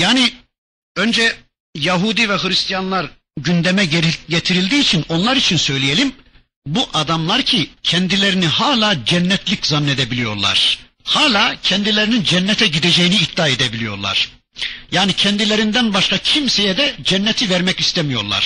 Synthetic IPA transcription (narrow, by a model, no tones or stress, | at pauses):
jaːni | ø̞nd͡ʒɛ | jaɦud̪ivɛhɯɾist̪ijanlˠaɾ | ɟynd̪ɛmɛɟet̪ʰiɾilʲd̪iːt͡ʃʰino̞nlˠaɾit͡ʃʰinsø̞jlʲijelʲim | buʔad̪amlˠaɾcʰicʰɛnd̪ilʲeɾinihaːlʲˠaːd͡ʒɛnːɛt̪ʰlʲiczanːe̞d̪ɛbilijo̞̰ɾlˠa̰ɾ̥ | haːlʲaːcʰɛnd̪ilʲeɾinind͡ʒɛnːɛt̪ʰɛɟid̪ed͡ʒejiniːtd̪ːaːed̪ɛbilʲijo̞̰ɾlˠa̰ɾ̥ | jaːnicʰɛnd̪ilʲeɾind̪ænbaʃkacʰimsejɛd̪ɛd͡ʒɛnːɛt̪ʰivɛɾmɛcist̪ʰɛmijo̞ɾlˠa̰ɾ̥